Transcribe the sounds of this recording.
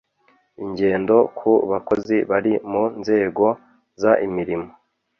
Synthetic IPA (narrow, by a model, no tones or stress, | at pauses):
iɲɟe̞ːndo̞kʰuβako̞ziβaɾimunze̞ːɡo̞ | zaʔimiɾimo̥